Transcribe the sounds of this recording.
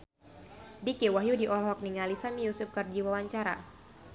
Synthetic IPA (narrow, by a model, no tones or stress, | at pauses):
dikewaɦjudiʔɔlɦɔk̚niŋalisamijusup̚kərd͡ʒiwawaɲt͡ʃaɾa̰